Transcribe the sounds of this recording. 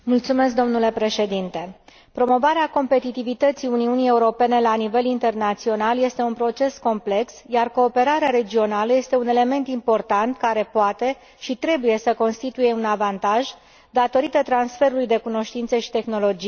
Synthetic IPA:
mult̪sume̞sk̚d̪o̞mnule̞pɾe̞ʃe̞d̪int̪e̞ | pɾo̞mo̞vaɾeako̞mpe̞t̪it̪ivit̪ət̪siuniunije̞uɾo̞pe̞ne̞lanive̞lint̪e̞rnat̪sio̞nalje̞st̪e̞unpɾo̞t͡ʃe̞sko̞mple̞ksjarko̞ːpe̞ɾaɾeaɾe̞d͡ʒio̞naləje̞st̪e̞une̞le̞me̞nt̪impo̞rt̪ant̪kaɾe̞poat̪e̞ | ʃit̪ɾe̞buje̞səko̞nst̪it̪uje̞unavant̪aʒ | d̪at̪o̞ɾit̪ət̪ɾansfe̞ɾulujd̪e̞kuno̞ʃt̪int̪səʃi̥t̪e̞xno̞lo̞d͡ʒi

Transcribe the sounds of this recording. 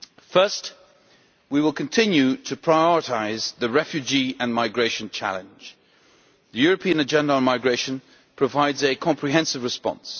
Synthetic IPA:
fɜ˞st | wiwəlˠkʰɨ̃n̩tʰɪ̃njʉɾʰɨpʰɹ̥aɪɔɹətʰaɪzðɨɹɛfjʉd͡ʒiɨ̃nmaɪɡɹeɪʃɨ̃nt͡ʃʰæ̰lˠɨ̃nd͡ʒ̥ | ðɨjʊɹəpʰĩɨ̃nɨd͡ʒɛ̃ndəə̃nmaɪɡɹeɪʃɨ̃n | pʰɹ̥əvaɪdzɨkʰɑ̃mpʰɹiɦɛ̃nsɨvɹɨspɑ̰̃ns

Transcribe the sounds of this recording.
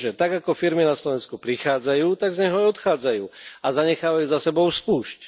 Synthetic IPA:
ʒɛt̪aɡakɔfiɾminaslɔʋɛnskupɾixaːd͡zajuːt̪aɡzɲɛɦɔaɔt̪xaːd͡zajuːazaɲɛxaːʋajuːzasɛbɔʊspuːʃc

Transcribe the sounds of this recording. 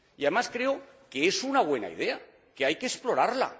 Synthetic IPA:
iaðe̞maskɾe̞o | ke̞esunaβwe̞na̰ḭðe̞a | ke̞ajke̞ːsplo̞ɾaɾla̰

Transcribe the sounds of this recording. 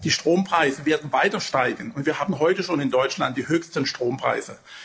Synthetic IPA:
d̥iːʃtʁ̥oːmpʁ̥aɪzəveːɐdn̩vaɪtɐʃtaɪɡən̩ʊntv̥iːɐɦaːbn̩ɦɔʏtəʃoːnɪndɔʏt͡ʃlant̚d̥iːhøːçstənʃtʁ̥oːmpʁ̥a̰ɪzə

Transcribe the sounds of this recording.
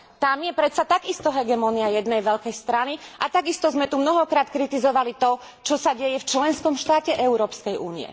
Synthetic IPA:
t̪amjɛpɾɛt̪sat̪aɡist̪ɔɦɛɡɛmɔniajɛd̪nɛjʋɛʎkɛjst̪ɾaniʔat̪aɡist̪ɔzmɛt̪umnɔɦɔkɾaːt̪kɾit̪izɔʋalit̪ɔ | t͡ʃɔsaɟɛjɛft͡ʃlɛnskɔmʃt̪aːcɛʔɛʊɾɔːpskɛjʔuːnḭɛ̰

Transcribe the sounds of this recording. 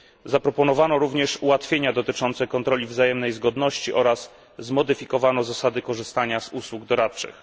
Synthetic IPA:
zapɾɔpɔnɔvanɔɾuvɲɛʂuwat̪fʲjeɲad̪ɔt̪ɘt͡ʂɔnt̪sɛkɔnt̪ɾɔlʲivzajɛmnɛjzɡɔd̪nɔɕt͡ɕiʔɔɾasː | mɔd̪ɘfʲikɔvanɔzasad̪ɘkɔʐɘst̪aɲazuswuɡ̚d̪ɔɾat̪t͡ʂɘ̰x

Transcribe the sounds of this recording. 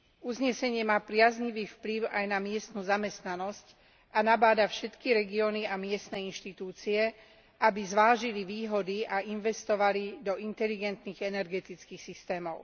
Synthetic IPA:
uzɲɛsɛɲɪɛmaːpɾɪazɲiʋiːfpliʊajnamɪɛst̪nuːzamɛst̪nanɔsc | anabaːd̪afʃɛt̪kiɾɛɡiɔniamɪɛst̪nɛinʃt̪it̪uːt͡siɛ | ʔabizʋaːʒiliʋiːɦɔd̪iaʔinʋɛst̪ɔʋalid̪ɔint̪ɛliɡɛnt̪niɣɛnɛɾɡɛt̪it͡skixsist̪ɛːmɔʊ

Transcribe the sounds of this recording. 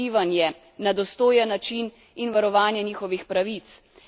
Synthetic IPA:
iːʋanjɛ | nad̪ɔst̪oːjɛnːat͡ʃin | inʋaɾɔʋaːnjɛniːxɔʋixpɾaʋit̪s

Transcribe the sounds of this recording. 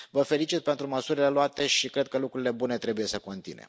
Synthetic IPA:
vəfe̞lit͡ʃit̪̚pe̞nt̪ɾuməsuɾile̞loat̪e̞ʃikɾe̞d̪̚kəlukɾuɾile̞bune̞t̪ɾe̞buje̞səko̞nt̪ḭnḛ

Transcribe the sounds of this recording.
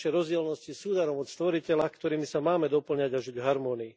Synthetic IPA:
ɛɾɔzɟɪɛlnɔscisuːd̪aɾɔmɔt̪st̪ʋɔɾicɛlakt̪ɔɾiːmisamaːmɛd̪ɔpl̩ɲaɟaʒuɟɦaɾmɔːniː

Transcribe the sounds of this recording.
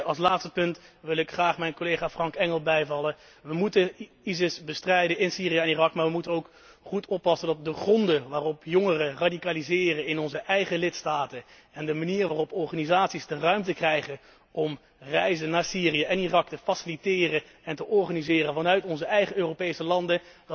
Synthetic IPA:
ɑlˠs̬laːtstə̥pɵntʋɪlˠɪkχraːχmɛjnkolejχaːfrɑŋkɛŋəlˠbɛjvɑlˠə | ʋəmutən | izɪsbəstrɛjdəɪnsiːrijəɛnirɑkmaːɹʋəmutənowk | χutɔpːɑsəndɑt̚dəχrɔndəʋaːrɔpjoŋərəradikaːlizɪːrənɪnɔnzəʔɛjχəlɪtstaːtə | ɛndəmaniːrʋaːrɔpɔɹχaːnizaːtsizdərœɥmtəkrɛjχən | ɔm | rɛjzənaːɹsiːrijəʔɛnirɑk̚təfasɪlitɪːrə | ɛntəʔɔɹχaːnizɪːrənvɑnœɥtɔnzəɛjχəøːrowpejsəlɑndə | d

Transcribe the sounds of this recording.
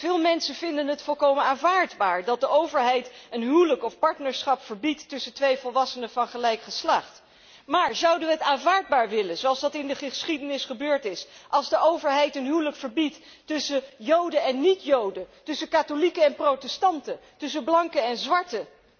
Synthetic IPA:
v̥ɪːlˠmɛnsəvɪndənɦətfɔlˠkowmənaːnvaːɹdbaːɹdɑt̚dəʔowvəɹɦɛjtənɦywləkɔfpɑɹtnəɹsχɑpfəɹbitːɵsətʋejvɔlˠʋɑsənəvɑnχəlɛjkχəslɑχt | maːɹzɑwdənʋəɦətaːnvaːɹd̚baːɹʋɪlənzoɑlˠzdɑtɪndəχəsχidənɪsχəbøːɹtɪsʔɑlˠzdəʔowvəɹɦɛjtənɦywləkfəɹbitː | ɵsəjowdəɛnːitjowdətɵsəkaːtolikəɛnprowtɛstɑntətɵs̬əblɑŋkəɛnzʋɑɹtə

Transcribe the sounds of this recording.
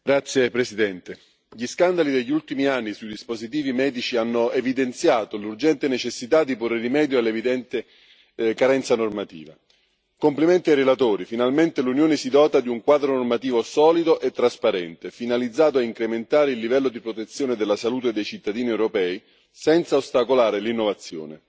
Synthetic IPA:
ɡɾat̪sːjepɾesid̪ɛnt̪e | ʎiskand̪alid̪eʎːult̪imianːisujd̪ispozit̪̬iːvimɛːd̪it͡ʃianːoevid̪ent̪sjaːt̪olurd͡ʒɛnt̪enet͡ʃesːit̪ad̪ːiporːeɾimɛːd̪joalːevid̪ɛnt̪e | kaɾɛnt̪sanormat̪ḭːva̰ | kompliment̪iajrelat̪oːɾifinalment̪elunjoːnesid̪ɔːt̪ad̪iuŋkwaːd̪ɾonormat̪iːvosɔːlid̪oʔet̪ːɾaspaɾɛnt̪efinalid̪zːaːt̪̬oɛiŋkɾement̪aːɾeilːivɛlːod̪ipɾot̪et̪sːjoːned̪elːasaluːt̪ed̪ejt͡ʃit̪ːad̪iːniewɾopɛːi | sɛnt̪saost̪akolaːɾelinːovat̪sːjo̰ːnḛ

